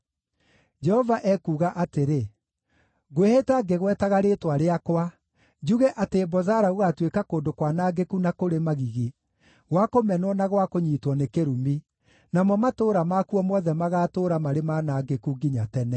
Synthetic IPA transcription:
d͡ʒɛhɔvaʔɛkuːɣaʔateɾe | ɣwehetaːɡeɣwɛːtaɣaɾeːtwaɾeakwa | d͡ʒuɣɛʔatebɔzaɾaɣoɣatwekakoːndokwanaɡekunakoɾemaɣiɣi | ɣwakomɛnwɔnaɣwakoɲiːtwɔnekeɾumi | namɔmatoːɾamakuɔmwɔðɛmaɣaːtoːɾamaɾemaːnaːɡekuɡiɲatɛnɛ

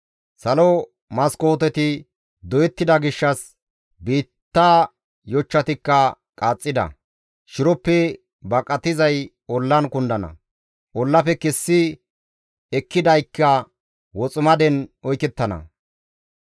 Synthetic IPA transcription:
sɐlɔ | mɐsko̞ːt̪ɛt̪ɪ | d̪ɔjɛt̪ːɪd̪ɐɡɪʃːɐs | biːt̪ːaː | jɔt͡ʃːɐt̪ɪkːɐ | kʼaːt͡sʼːɪd̪ɐ̰ | ʃɪɾɔpːɛ | bɐkʼɐt̪ɪzɐj | ɔlːɐnkʊnd̪ɐnɐ̰ | ʔɔlːɐpɛkɛsːɪ | ɛkːɪd̪ɐjkːɐ | wɔt͡sʼʊmɐd̪ɛnɔjkɛt̪ːɐnɐ̰

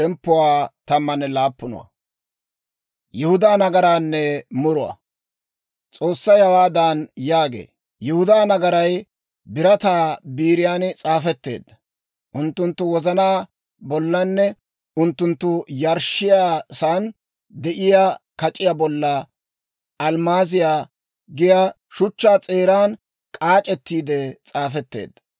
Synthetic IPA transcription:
ɛmpːʊwaːt̪ɐmːɐnɛlaːpːʊnʊ̰wɐ̰ | jɛhʊd̪aːnɐɡɐɾaːnːɛmʊɾʊwɐ̰ | t͡sʼo̞ːsːɐjhɐwaːd̪anjaːɡḛː | jʊhʊd̪aːnɐɡɐɾɐj | bɪɾɐt̪aːbiːɾɪjaːnt͡sʼaːfɛt̪ːe̞̰ːd̪ːɐ | ʔʊnt̪ːʊnt̪ːʊwɔzɐnaː | bɔlːɐnːɛ | ʔʊnt̪ːʊnt̪ːʊjɐɾʃɪjaːsaːn | d̪ɛʔɪjaːkɐt͡ʃʼɪjaːbɔlːɐ | ʔɐlmaːzɪjaː | ɡɪja | ʃʊt͡ʃːaːt͡sʼe̞ːɾaːn | kʼaːt͡ʃʼɛt̪ːiːd̪ɛt͡sʼaːfɛt̪ːḛːd̪ːɐ

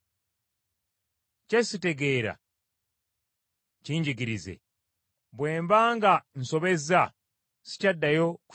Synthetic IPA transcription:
cesite̞ɡe̞ːɾa̰ | ciːɲɟiɡiɾize̞̰ | βwe̞ːmbaːŋɡan̩so̞βe̞za | si̥cadːajo̞ku̥

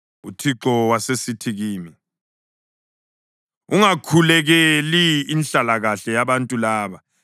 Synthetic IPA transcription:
ṵtʰiǁɔwasesitʰiɣiːmi | uŋakʰulɛɣɛliːnɬalaɣaɬɛjaβantʼulaːβa

